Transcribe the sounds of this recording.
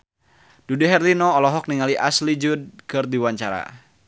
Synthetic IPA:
d̥uduɦɛrlinɔːlɔɦɔk̚niŋaliʔaslid͡ʒud̚kɨrdiwaɲt͡ʃaɾa̰

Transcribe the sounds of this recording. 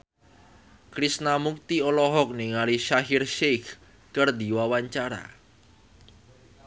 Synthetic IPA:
kɾisnamuk̚t̪iɔlɔɦɔk̚niŋaliʃaɦirʃek | kərd̪i̤wawaɲt͡ʃaɾa̰

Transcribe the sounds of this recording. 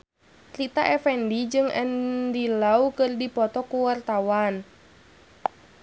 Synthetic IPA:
ɾit̪a̰ʔɛfɛndid͡ʒɨŋɛ̰ndilaukɨrdipɔt̪ɔkuwart̪awan

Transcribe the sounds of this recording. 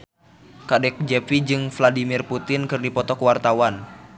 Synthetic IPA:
kadɛk̚d͡ʒɛpid͡ʒɨŋfladimɪrput̪ɪnkɨrdipɔt̪ɔkwart̪awan

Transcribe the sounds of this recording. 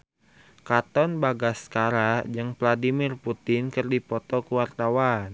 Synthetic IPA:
kat̪ɔnbaɡaskaɾad͡ʒəŋpladimɪrput̪ɪnkɨrdipɔt̪ɔkuwart̪awan

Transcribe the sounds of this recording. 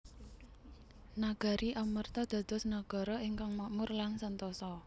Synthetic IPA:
naɡ̥a̤ɾiʔamərt̪ɔd̪̥ä̤d̪̥ɔ̤snaɡ̥ɔ̤ɾɔiŋkaŋmamʊrlansənt̪ɔsɔ

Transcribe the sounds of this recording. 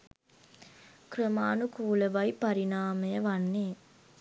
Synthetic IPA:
kɾəmaːnukuːləʋɐipɐɾinaːməjəʋanːeː

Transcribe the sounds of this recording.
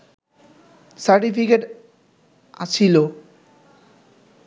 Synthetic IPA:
saɾʈifikeʈ | a̰t͡ɕʰilo

